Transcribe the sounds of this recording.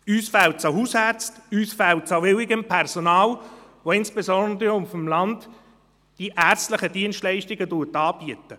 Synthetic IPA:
yːsfæltsaɦuːshæɾt͡styːsfɛltt͡savɪwɪɡəmpʰɛʁsɔnɑːlvoɪnsb̥esɔndəɾʊmfɔmlɑntː | d̥iʔæːʁt͡stlɪχəd̥iənstlɛɪʃtɪɡədutɑːbiətə

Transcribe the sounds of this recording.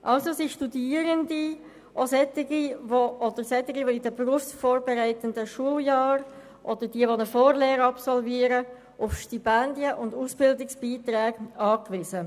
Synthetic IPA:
ʔɑlsosɪʃtudiːəɾəndi | ʔosɛtɪɡiʋoʔɔd̥̪əɾsɛt̪ɪɡiʋoidəbɾuəfsfoːɾbɛɾæɪtəndəʃuəljɑːɾ | ʔɔd̥̪əɾd̥iəʋonəfoːɾleːɾəɑpsɔlviːəɾə | ʔʊfʃtipɛndjəʔʊndusb̥ɪldɪksb̥iːt̪ɾɛːɡɑːkʋɪzə

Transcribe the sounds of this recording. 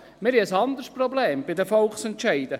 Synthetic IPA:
mɪɾiəsɑnd̪əɾsprɔbleːmb̥ɪd̪əfɔlksɛntʃɛɪd̥̪ə

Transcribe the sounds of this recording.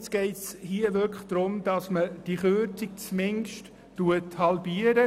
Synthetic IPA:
t͡sɡ̥ɛɪtshiːəʋøɾkʰχd̥ɾʊmd̥ɑsməd̥iχøtik̚t͡smɪŋʃtː | uəthɑlbiəɾə

